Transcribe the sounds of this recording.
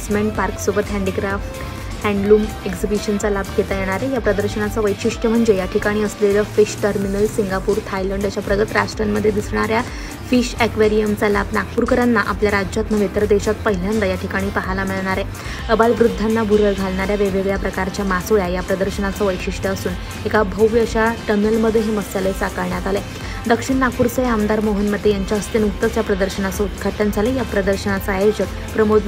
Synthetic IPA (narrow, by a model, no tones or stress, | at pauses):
smeɳʈ̚paɾksubət̪ɦɛ̃ɳɖikɾafʈ | hɛ̃ɳɖlum | eksibiɕənt͡salabɡet̪ajeɽ̃aɾejapɾəd̪əɾɕənat͡səʋəjɕiʂʈəm̤əɳd͡ʑejaʈʰikaɽ̃iːəsleləfiɕʈəɾminəlsiŋɡapuːɾt̪ʰajləɳɖət͡ɕapɾəɡət̪ɾa̰sʈɾanməd̪ʱːjed̪isɳ̃aɾja | fiɕekʋeɾijəmt͡sala̰bnaɡ̚puɾkəɾanːaʔapljaɾaat̪məʋit̪əɾəd̪eɕat̪pəɦiljand̪ajaʈʰikaɽ̃iːpəɦalamiɭɳaɾɛ | əbalʋɾud̪ʱːanːabʱuɾəɭɡʱalɳaɾjaʋeʋeɡɭjapɾəkaɾt͡ɕjamasoɭjajapɾəd̪əɾɕənat͡səʋəjkɕiʂʈəːsuːn | ekabʱəwʋjəɕaʈənəlməd̪ʱːjeɦiməst͡salesakəɾɳjat̪ale | d̪əkʂiɳnak̚puɾsəɦeamd̪aɾmoɦinməd̪ʱːjejaɲt͡ɕjaəst̪enukt̪ːəsjapɾəd̪əɾɕənat͡səut̪kʰaʈʰənd͡zʱalejapɾəd̪əɾɕənat͡səajod͡ʑət̪̚ | pɾəmod̪